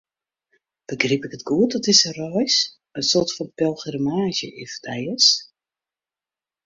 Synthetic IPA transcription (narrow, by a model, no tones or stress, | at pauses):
b̥əɡripɪkətɡuətɔtɪsərɔjs | ənsoːrtfɔnpɛlˠχɛrmaːzjəʔɪftʰɛjəs